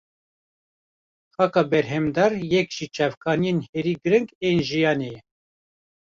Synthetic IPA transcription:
xɑkɑbɛɾɦɛmd̪ɑɾjɛkʒ̥it͡ʃʰɑvkʰɑːnijenheɾiːɡɨɾɨŋkeːnʒijɑːnejɛ

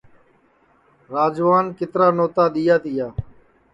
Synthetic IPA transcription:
ɾaːd͡ʒʋaːnkɪt̪ɾaːnoːt̪aːɗ̪ijaːt̪ʰɪjaː

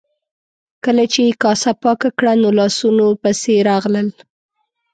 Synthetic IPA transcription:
kəlat͡ʃekɑsapɑkakɽanolɑsunopəseɾɑɣləl

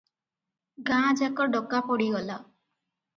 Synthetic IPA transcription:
ɡãd͡ʒakɔɾɖɔkapɔɽiɡɔla

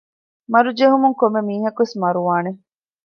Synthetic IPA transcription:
mɐɾud͡ʒeɦumuŋkomːemiːɦɐkuʋesmɐɾuʋaːne

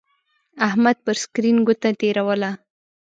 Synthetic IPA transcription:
ahmad̪̚pəɾskɾinɡʊt̪at̪eɾawəla

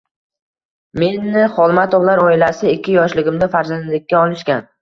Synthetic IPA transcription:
me̞nːɪχɒlˠmat̪ʰɒvlˠaɾɒɪlasɪɪkʲːɪjɒʃlɪɡʲɪmd̪afaɾzand̪lɪkʲːaɒlˠɪʃkʲan

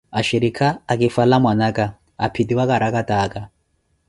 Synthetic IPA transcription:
aʃiɾikʰaːkʼifalamwanakʼa | apʰidiwakʼaɾakatʼaːkʼa

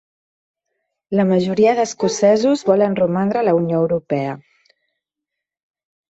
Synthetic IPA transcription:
ləməʒuɾiəðəskusɛzuzβɔlənrumand̪ɾələunjoəwɾupɛə

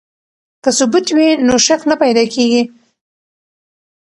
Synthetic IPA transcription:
kəsʊbut̪winoʃaqnapajd̪ɑkʰeɡi

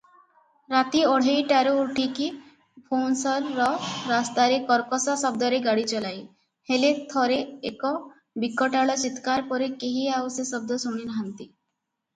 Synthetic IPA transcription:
ɾat̪iɔɽ̤ejʈaɾuːʈʰiki | pʰonsɔɾːɔːast̪aɾekɔɾkɔsasɔb̚d̪ɔɾeɡaɽit͡ʃɔlaj | helet̪ʰɔɾeekɔ | bikːɔʈaɭɔt͡ʃit̪kaɾpɔɾekeɦiawsesɔb̚d̪ɔsuɽ̃inaɦant̪i

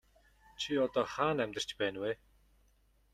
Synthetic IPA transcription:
t͡ɕʰiɔt̪ɔːχaːnæmʲt̪ə̆r̥t͡ɕpæːnweː

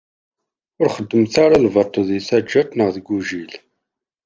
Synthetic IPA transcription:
ʊɾχəd̪ːəmθaɾalvəɾt̪ˤːoðiθæd͡ʒːæt̪ˤnəʁðəɡʷuʒil

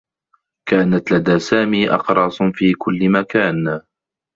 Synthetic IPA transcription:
kaːnat̪lad̪aːsaːmiːʔɑ̰qɾˤɑːsˤfiːkʰʊlːɪmakaːn

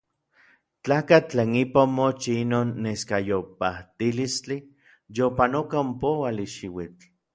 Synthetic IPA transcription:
t͡ɬaːkat͡ɬeːnipaomot͡ʃiinoːnːeskajopat̪ilist͡ɬi | jopanokaompowaliʃiwit͡ɬ

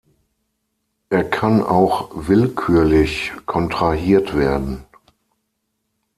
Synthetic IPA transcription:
ʔeːɐkʰana̰ʊxvɪlkʰyːɐlɪçkʰɔntʁ̥aɦiːɐtv̥eːɐdn̩

